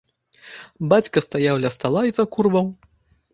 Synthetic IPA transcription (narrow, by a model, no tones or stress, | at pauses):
bat͡sʲkɐst̪ajawlʲɐst̪alˠaizɐkurvɐw